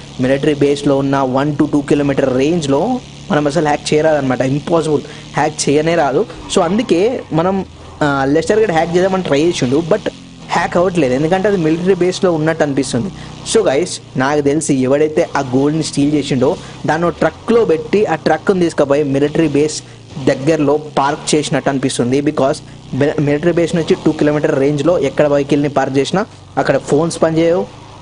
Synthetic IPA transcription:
miliʈɐɾibeːslo̞ːunːɐʋɐnʈuʈuːkiloːmiːʈɐɾːe̞ːɲd͡ʒloː | mɐnɐmɐs̬ɐlɦaːk̚t͡ʃɛːjɐɾaːd̪ɐnːɐmaːʈɐimpaːs̬ibul | haːk̚t͡ʃɛjɐneːɾaːd̪uso̞ːɐnd̪uke̞ːmɐnɐm | lesʈɐɾɡɐɽɦaːk̚t͡ʃeːt̪emɐnɐʈɾɐjeːsiɳɖubɐʈ | haːkɐʋɐʈ̬le̞ːd̪ue̞nd̪ukɐɳʈ̬e̞ɐd̪imiliʈɐɾibeːslo̞ːunːɐʈːɐnipist̪und̪i | soːɡɐjsnaːkut̪elisiɛʋɐɽɐjt̪e̞ːʔaːɡoːlɖnisʈiːlt͡ʃeːsiɳɖo̞ː | d̪aːnloːʈɾɐkːlo̞ːpeʈːiaːʈɾɐkːund̪iːskɐp̬oːjimiliʈɐɾibeːs | d̪ɐɡːɐɾɐlo̞ːpaːɾkt͡ʃeːsinɐʈːɐnipist̪und̪ibikɔːz | bmiliʈɐɾibeːsnut͡ʃːiʈuːkiloːmiːʈɐɾːe̞ːɲd͡ʒlo̞ːʔɛkːɐɽɐʋɐjkilɐnipaːɾkt͡ʃeːsina | ɐkːɐɽɐpʰo̞ːnspɐɲd͡ʒeːjau

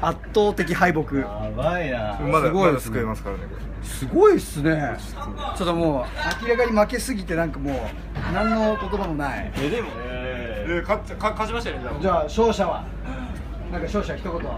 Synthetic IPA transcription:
at̪ːo̞ːt̪e̞k̬ʲiɦaibo̞kɯ̟mainamad̪ɡoiad̪asɨ̥kɯemasɨ̥kaɾanek | sɨɡo̞isɨne̞ | t͡ɕod̪omo̞ːakʲiɾakaɲ̟imake̞sɨɡʲit̪e̞nãŋkamo̞ː | nãnːo̞ko̞t̪o̞bamo̞naḭd̪em | ekaakakaʑimaɕt̪aiɾd͡ʑaːɕo̞ːɕaβa | nãŋkaɕo̞ːɕaβaçi̥t̪o̞ko̞t̪o

